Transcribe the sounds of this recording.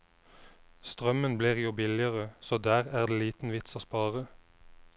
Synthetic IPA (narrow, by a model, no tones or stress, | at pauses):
st̪ʁœmənbliːʁjuːbɪlɪəʁəsoːd̪æːʁæːʁd̪eːliːt̪n̩ʋɪt̪soːspɑːʁə